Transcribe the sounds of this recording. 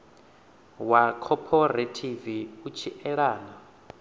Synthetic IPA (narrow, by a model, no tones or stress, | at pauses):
wakʰɔpʰɔɾatʰiviut͡ʃʰiʔɛɺaːna